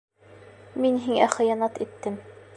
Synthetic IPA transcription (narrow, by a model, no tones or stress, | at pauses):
minɦiŋæχɤ̆jɑnɑt̪it̪ːɘm